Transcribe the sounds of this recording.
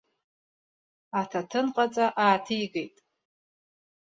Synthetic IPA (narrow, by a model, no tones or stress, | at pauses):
atʰatʰɨnqʼat͡sʼaʔaːtʰɨjɡejtʼ